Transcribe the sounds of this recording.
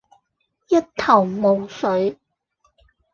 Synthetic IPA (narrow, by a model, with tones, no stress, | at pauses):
jɐ˥t̚t̪ʰɐ˨˩wmo˨wsɵ˨˥ɥ